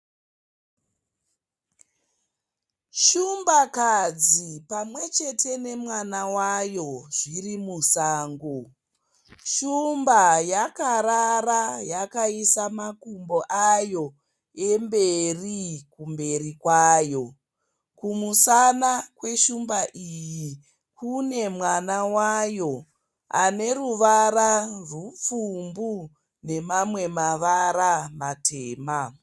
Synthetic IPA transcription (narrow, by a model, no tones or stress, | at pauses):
ʃumbakad͡zipamwe̞t͡ʃe̞tʰe̞ne̞mwanawajo̞ʐirimusaːŋɡo | ʃumbajakaɾarajakaisamakumboʔajo̞ | e̞mbe̞rikumbe̞rikwaːjo̞ | kumusanakwe̞ʃumbaʔiji | kune̞mwanawajo̞ | a̰ne̞ruʋaɾarup͡fumbu | ne̞mamwe̞maʋaɾamatʰeːma